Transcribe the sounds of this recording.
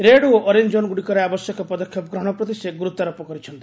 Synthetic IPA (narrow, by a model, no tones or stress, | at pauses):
ɾeɽuoʔɔɾind͡ʒonɡuɽikɔɾeabɔsjɔkɔpɔd̪ɔkʰːjɔpɡɾɔɽ̃ɔpɾɔt̪iseɡuɾut̪ːaɾɔpɔkɔɾit͡ʃʰɔnt̪i̥